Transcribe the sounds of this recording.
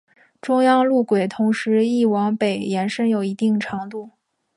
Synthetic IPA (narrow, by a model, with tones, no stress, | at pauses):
ʈ͡ʂʊ˥ŋjɑ˥ŋlu˥˩kwe˨˩ɪt̪ʰʊ˧˥ŋʂɻ̩˧˥i˥˩wɑ˧˥ŋpe˨˩ɪjɛ˧˥nʂə˥njo˨˩ʊi˧˥t̪i˥˩ŋʈ͡ʂʰɑ˧˥ŋt̪u˥˩